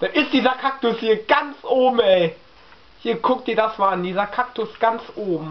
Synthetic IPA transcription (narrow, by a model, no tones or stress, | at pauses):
d̥anɪstd̥iːzɐkʰak̚tʊshiːɐɡ̥ant͡sʔoːbm̩ɛɪ | hiːɐkʰʊk̚tiːɐdasmaandiːzɐkʰak̚tʊsɡ̥ant͡sʔoːbm̩